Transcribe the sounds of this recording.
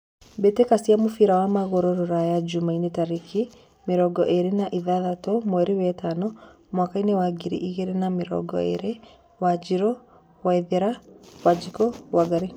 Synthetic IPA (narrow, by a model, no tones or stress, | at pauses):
betekasiamufiɾawamaɣoɾɔɾɔɾajad͡ʒumainetaɾiki | miɾɔɡɔʔeɾenaʔiðaðatomwɛɾiwɛtanɔ | mwakainewaɡiɾḭʔiɣeɾenamiɾɔ̰ɡɔ̰ḛɾe | wad͡ʒiɾɔ | waiðeɾawad͡ʒikɔwaɡaɾe